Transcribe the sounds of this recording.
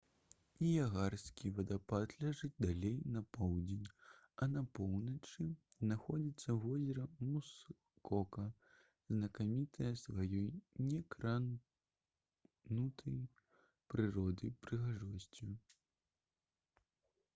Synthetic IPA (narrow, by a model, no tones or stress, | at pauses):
ijaɣarsʲkʲivɐd̪apad̪lʲaʐɨd̪alʲejnɐpɔwd͡zʲenʲ | ɐnɐpɔwnɐt͡ʂɨznaxɔd͡zʲit̪sːɐvɔzʲɛɾɐmus | kɔkɐ | znɐkamʲit̪ʰɐjɐsvajɔjnʲɛkɾan | nut̪ʰɐj | pɾɨɾɔd̪ɨpɾɨɣaʐɔsʲt͡sʲi